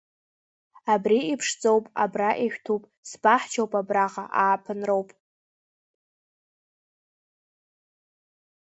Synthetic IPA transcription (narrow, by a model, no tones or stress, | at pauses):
abriipʰʂd͡zʼowpʼa̰braʔiʃʷᶣtʰupʼ | sbaħt͡ʃʰowpʼabraʁa̰ʔaːpʰɨnrowpʼ